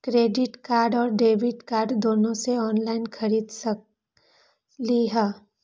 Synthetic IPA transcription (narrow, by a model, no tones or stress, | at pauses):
kɾeːɖɪʈkaːɾɖɔːɾɖeːʋɪʈkaːɾɖd̪oːnõseɔːnlaːɪnkʰɐɾiːd̪s | liɦɛ